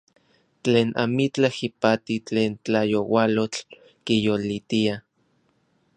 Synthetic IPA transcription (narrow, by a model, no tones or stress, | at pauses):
t͡ɬeːnʔa̰mit͡ɬahipat̪it͡ɬeːnt͡ɬajowalot͡ɬ | kijolit̪ia